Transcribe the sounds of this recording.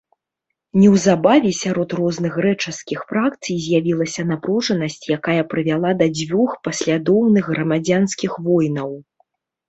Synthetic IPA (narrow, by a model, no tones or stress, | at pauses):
nʲɛwzabavʲɛsʲaɾɔt̪rɔznɨxrɛt͡ʂɐskʲixfɾakt̪sɨjzʲjavʲilˠɐsʲɐnapɾuʐɐnɐsʲt͡sʲjakajɐpɾɨvʲalˠad̪ɐd͡zʲvʲuxpɐsʲlʲad̪ɔwnɨɣɣrɐmad͡zʲanskʲixvɔjnɐw